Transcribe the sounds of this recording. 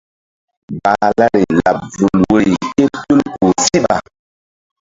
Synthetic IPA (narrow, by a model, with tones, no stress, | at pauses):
ba˨la˦ɾi˨la̰˨p̚vu˨lwe˦˨ke˦tu˦lku˨si˦ɓa̰˨